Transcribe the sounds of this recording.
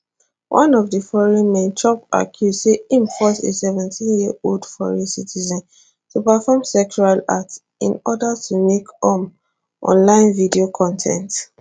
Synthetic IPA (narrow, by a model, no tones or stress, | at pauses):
wʔãnɔvdəfɔɹĩnmẽntʰɔpa̰kʰjudseĩnfɔsḭsɛvɛ̃ntʰĩnjioldfɔɹĩsitʰizɔ̃n | tʰupafɔmsɛkt͡ʃualats | ḭ̃nɔdatʰumekɔm | ʔɔ̰̃nlãɪ̃nvidiokʰɔ̃ntʰɛ̰̃nt